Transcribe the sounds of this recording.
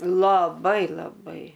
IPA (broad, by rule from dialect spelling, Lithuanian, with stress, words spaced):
lˠɐˈbɐɪ lˠɐˈbɐɪ